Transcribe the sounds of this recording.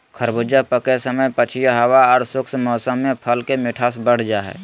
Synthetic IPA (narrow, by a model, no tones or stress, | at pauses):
kʰəɾbʊd͡ʒəpəkesəməjpət͡ʃʰijəɦəwaɔːɾsʊksmɔːsəmːẽpʰəlkemɪʈʰaːs̬bəɽ̤d͡ʒaɦɛ̰ː